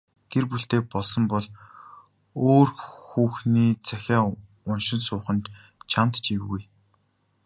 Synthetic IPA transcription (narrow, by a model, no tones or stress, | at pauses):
ɡ̪̥erpuɬt̪eːpɔɮsɞ̆mpɔɮ | oːrxuːxniːt͡sʰæxʲaː | ʊnʃɪ̆nsʊːχə̆nt̪ | t͡ɕʰamt̪t͡ɕiːuj